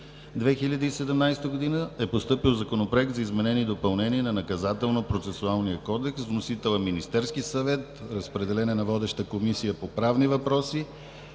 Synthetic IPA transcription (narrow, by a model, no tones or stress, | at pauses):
d̪vɛxilʲəd̪iːsɛd̪ɛmnajst̪əɡod̪inəɛpost̪ɤpilˠzɐkonopɾoɛk̚t̪zɐizmɛnɛniːd̪opɐlˠnɛniɛnɐnɐkɐzat̪ɛlˠnopɾot̪sɛsualˠnijəkɔd̪ɛksvnosit̪ɛlˠəminist̪ɛɾskisɐvɛt̪ɾəspɾɛd̪ɛlɛnɛnɐvɔd̪ɛʃt̪əkomisijəpopɾavnivɐpɾɔsi